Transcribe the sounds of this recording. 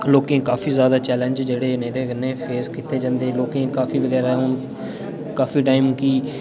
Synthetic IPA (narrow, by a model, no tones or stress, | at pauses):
loːkẽːkaːfʰiːzjaːd̪aːt͡ʃɛːlə̃nd͡ʒd͡ʒeːɽeːnẽːd̪eːɡənːẽːpʰeːskit̪ːeːd͡ʒãːnd̪eːloːkẽːkaːfʰiːʋəɡɛːɾaɦʊn | kaːfʰiːʈaːɪimkiː